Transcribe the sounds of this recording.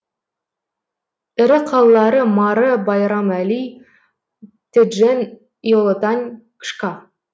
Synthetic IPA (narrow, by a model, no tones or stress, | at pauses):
ɘ̆ɾɪqʰɑlˠːɑɾəmɑɾəbɑjɾɑmæli | t̪ɘ̆d̪ʒen | jolˠot̪ɑnʲ | kʃkɑ